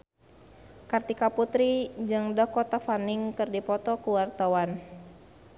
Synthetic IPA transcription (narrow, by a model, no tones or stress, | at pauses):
kart̪ikaput̪ɾid͡ʒɨŋdəkɔt̪afaniŋkɨrdipɔt̪ɔkuwart̪awan